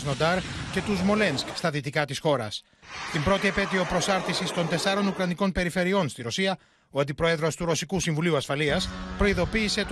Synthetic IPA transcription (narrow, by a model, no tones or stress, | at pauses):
znod̪ɐɾce̞t̪uzmo̞le̞nskst̪ɐðit̪ikɐt̪isxo̞ɾɐ̰s | t̪imbɾo̞t̪iepe̞t̪io̞pɾo̞sɐɾθisist̪o̞nt̪e̞sɐɾo̞nukɾɐniko̞npe̞ɾife̞ɾio̞nst̪iɾo̞siɐ | oɐnd̪ipɾo̞e̞ðɾo̞st̪uɾo̞sikusiɱvuliuɐsfɐliɐspɾo̞iðo̞piːse̞t̪